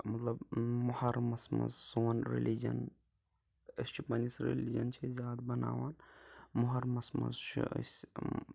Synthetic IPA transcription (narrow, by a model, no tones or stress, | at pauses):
mɐt̪lɐbmohɐɾmɐsmɐ̰zsoːnɾḛlid͡ʒɐ̰n | ɐst͡ʃʰipɐnisɾḛlid͡ʒɐnt͡ʃʰizʲjaːd̪bɐna̰ːʋanmʊɦɐɾmɐsmɐ̰zt͡ʃʰḭə̰s